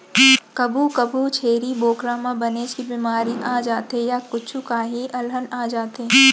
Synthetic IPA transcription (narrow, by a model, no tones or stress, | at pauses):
kɐbukɐbut͡ʃʰeːɾiboːkɾaːmãbɐnet͡ʃkibimaːɾiʔaːd͡ʒaːt̪ejakʊt͡ʃʰukaːɦiʔɐlɦənaːd͡ʒaːt̪eː